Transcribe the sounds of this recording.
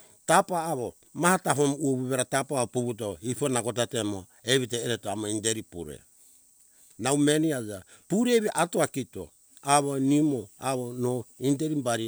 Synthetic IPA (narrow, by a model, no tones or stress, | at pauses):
tapaːβo | mahatapomuoβuβeɾatapaβopuβut̬oiponaɡot̬atemo | eβiteːɾetoamoindeɾipṵɾḛ | nawmeniad͡ʒa | puɾeβiʔatoakito̰ | aβonimoaβonoindeɾimbaɾi